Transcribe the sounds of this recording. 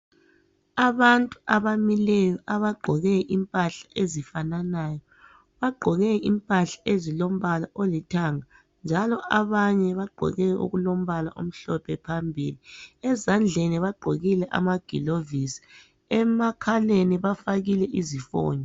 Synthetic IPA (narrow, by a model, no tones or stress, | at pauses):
aβantʼu̥aβamilɛjɔʔaβaɡ͡ǃʱɔɣɛʔimpʼaɬḁʔezifananaːjɔ | βaɡ͡ǃʱɔɣɛimpʼaɬḁezilom̩βalaʔolitʰaŋa | nd͡ʒʱalɔʔaβaɲɛβaɡ͡ǃʱɔ̰ɣɛṵɣulom̩βala̰ʔo̰m̩ɬɔpʰɛpʰambʱiliɛzand͡ɮʱeniβaɡ͡ǃʱoɣilɛʔa̰maɡ̥ʱilovisi̥ | ɛmakʰaleniβafaɣilɛʔizifɔ̰ːɲɔ